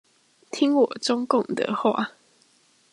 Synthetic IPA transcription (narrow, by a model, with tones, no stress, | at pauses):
t̪ʰi˦ŋwɔ˨˩ʈ͡ʂʊ˥˦ŋkʊ˥˨ŋd̪ə̰˨xwa̰˥˨